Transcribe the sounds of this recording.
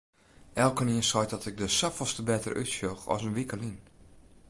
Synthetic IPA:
ʔɛlˠkəniənsɔjtdɔtɪk̚dəsafəlˠstəbɛtə̰rʔy̰tsjoxɔ̰sənʋikəlin

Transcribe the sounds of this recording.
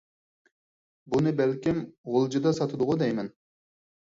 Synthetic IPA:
bunɨbælkʲimʁolˠd͡ʒɨd̪ɑsɑt̪ʰɨd̪ʊʁʊd̪ɛjmɛn

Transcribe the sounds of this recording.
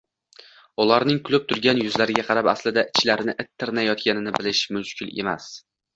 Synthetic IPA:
ʊlaɾnɪŋkʰʊlˠʊp̚t̪ʰʊɾɡʲanjʊzlaɾɪɡʲaqʰɑɾapa̰slɪd̪aʔɪt͡ʃʰlaɾɪnɪʔɪt̪ʰːɪɾnajɒt̪kʲanɪnɪbɪlɪʃmʊʃkʰʲɪlḛma̰s

